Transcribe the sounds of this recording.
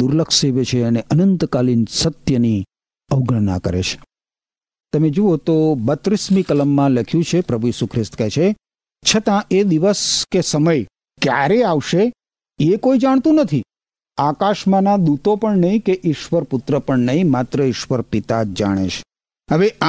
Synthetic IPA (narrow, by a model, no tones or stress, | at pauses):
d̪uɾləkʃeʋet͡ʃʰeəneʔənənt̪kalinsət̪jəni | əʋɡɳəɳna̰kə̰ɾḛt͡ʃʰe̥ | t̪əmed͡ʒoot̪obət̪ɾismikələmːãləkʰjũt͡ʃʰepɾəbʱuisukʰɾɪst̪kɛt͡ʃʰe | t͡ʃʰət̪ãed̪iʋəskesəməj | kjaɾeaʋʃe | ekoid͡ʒaɽ̃t̪ũnət̪ʰi | akaʃmãnad̪ut̪opəɳnəɦĩkeʔɪʃʋəɾpʊt̪ɾəpəɳnəɦĩmat̪ɾəɪʃʋəɾpit̪ad͡ʒaɽ̃ḛʃe̥ | ɦəʋeʔa